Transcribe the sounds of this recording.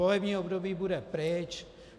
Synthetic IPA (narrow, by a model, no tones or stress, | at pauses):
olɛbɲiːobdobiːbudɛpɾɛt͡ʃ